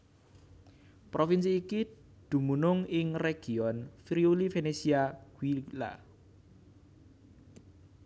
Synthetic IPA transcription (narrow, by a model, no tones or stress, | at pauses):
pɾofinsiːki | d̪̥ṳmunʊŋɪŋreɡ̥iɔnfɾiulifenesiaɡ̥wila̰